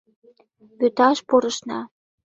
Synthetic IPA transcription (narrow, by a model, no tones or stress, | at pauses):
pøt̪ɑʃpoɾə̆ʃnɑ